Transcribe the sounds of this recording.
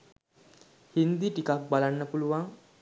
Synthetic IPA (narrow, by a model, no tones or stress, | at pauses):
hind̪iʈikak̚balanːəpuluʋaŋ